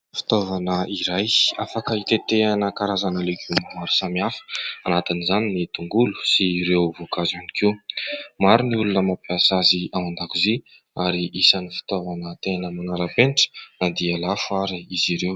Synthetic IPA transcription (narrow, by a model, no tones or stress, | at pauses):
fi̥t̪ovanəiɾajafakəit̪et̪eanəkaɾazanəlekimaɾu̥samiafə̥anat̪inizaninit̪uŋɡulu̥siɾewvokazanikʰiwmaɾuniulunəmapiasaziawand̪akuzi | aɾiʔisanifi̥t̪ovanət̪enəmanaɾapeniʈ͡ʂə̥nad̪ialafuaɾiiziɾew